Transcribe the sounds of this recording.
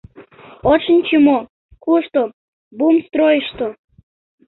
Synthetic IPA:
oʃənʲt͡ɕəmo | kuʃt̪o | bumst̪rojəʃt̪o

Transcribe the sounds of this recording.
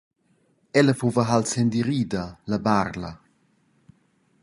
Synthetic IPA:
ɛləfovɐɦalsend̪iɾiːd̪alabaɾlɐ̰

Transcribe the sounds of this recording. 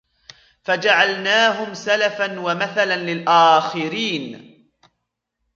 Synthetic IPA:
fad͡ʒaʕalnaːɦʊmsalafanwamaθalanlɪlʔaːxɪɾiːn

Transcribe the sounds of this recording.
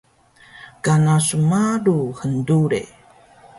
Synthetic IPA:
kanasumaɾuhənduɾḛ

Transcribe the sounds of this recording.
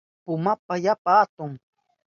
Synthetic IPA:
pʊmapajapaːt̪ʊŋ

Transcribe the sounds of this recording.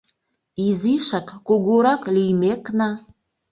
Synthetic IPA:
iziʃɑkːoɣoɾɑklijmeknɑ

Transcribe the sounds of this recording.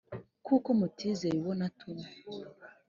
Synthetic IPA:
kukomotʰizeiwɔnatʰuma

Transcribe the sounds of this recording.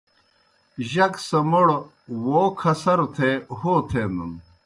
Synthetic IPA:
ʑɐksɐmoɽ | woːkʰɐsɐɾt̪ʰehoːt̪ʰenun

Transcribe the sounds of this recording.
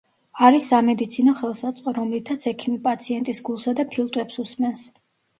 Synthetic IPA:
aɾisamɛd̪it̪sʰinɔχɛlˠsat̪sʼqʼɔɾɔmlit̪ʰat̪sʰɛkʰimipʼat̪sʰiɛnt̪ʼisɡulˠsad̪apʰilˠt̪ʼwɛpsusmɛns

